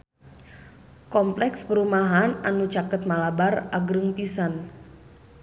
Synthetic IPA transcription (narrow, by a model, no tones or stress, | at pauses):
kɔmplɛkspəɾumaɦananut͡ʃakət̪̚malabaraɡɾəŋpisan